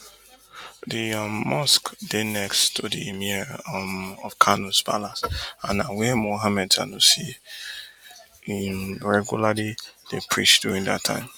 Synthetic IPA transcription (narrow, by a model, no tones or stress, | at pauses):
dimɔskd̥enɛkstʰodiimimɔfkʰanuspa̰lasãnawɛmoɦamɛd̚ta̰nusi | ɹɛɡjulalid̥epʰɹḭt͡ʃd̥uɹĩŋda̰tʰːã̰ɪ̃m